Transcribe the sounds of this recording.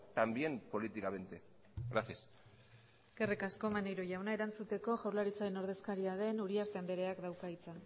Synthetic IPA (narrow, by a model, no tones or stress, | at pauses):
t̪ambje̞mpo̞lit̪ikaβent̪e | ɣɾasias | ɡ̥e̞rekasko̞manejɾoʝawnaeɾant͡sut̪e̞ko̞ʝawɾlaɾit͡saɾe̞no̞ɾð̞e̞skaɾiað̞e̞nuɾiaɾt̪eand̪e̞ɾe̞akd̪awkait͡sa